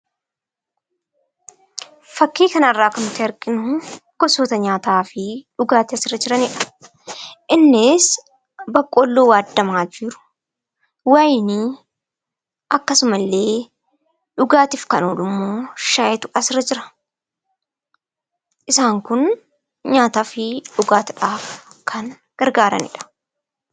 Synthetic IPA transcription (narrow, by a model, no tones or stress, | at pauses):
fɐkːiːkɐnɐrːaːkɐnt̪ɪɐɾkʼɪnʊɡ̥ɔsoːt̪ɐɲaːt̪aːfɪᶑʊɡaːt̪ɪɐsɪrːɐd͡ʒɪɾɐnɪːᶑɐ̥ | ʔɪnːɪs | bɐkʼːoːlːoːwaːd̪ːɐmaːd͡ʒiːɾʊ̥ | waːjnɪ | ʔɐkːɐsʊmɐlːe̞ː | ᶑʊɡaːt̪ɪfkɐnoːlʊmːoːʃaːjɛt̪ʊʔɐsɪrɐd͡ʒɪɾɐ̥ | ʔɪsaːŋkʊn | ɲaːt̪aːfɪᶑʊɡaːt̪ᶑaːfkʰɐn | ɡ̥ɐɾɡaːɾɐ̰nɪ̰ᶑɐ̥